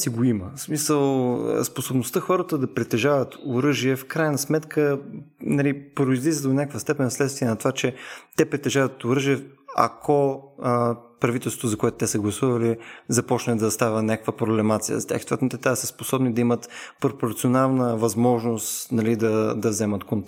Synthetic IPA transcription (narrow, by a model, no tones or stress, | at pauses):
siɡoiməsmisəl̰ˠsposobnost̪əxɔɾət̪əd̪ɐpɾɛt̪ɛʒavət̪oɾɤʒiɛfkɾajənɐsmɛt̪kʰənɐlipɾoizlizəd̪d̪onʲakəkvəst̪ɛpɛnslɛt̪st̪viɛnɐt̪ovat͡ʃɛt̪ɛpɾɛt̪ɛʒavət̪oɾɤʒiɛa̰kʰo | pɾɐvit̪ɛlˠso̥t̪zɐkoʊɛt̪ʊ̥t̪ɛsəɡlˠɐsuvɐlizɐpɔt͡ʃnd̪ɐst̪avʲənʲakəkvəpɾoblɛmat̪sijə̰zɐt̪ja̰xi̥st̪ovɛt̪nt̪ɛt̪asəsposɔbnid̪ɐimət̪poɾpoɾt̪sionalˠnəvɐzmɔʒnost̪nɐlid̪ɐd̪ɐzɛmət̪kont̪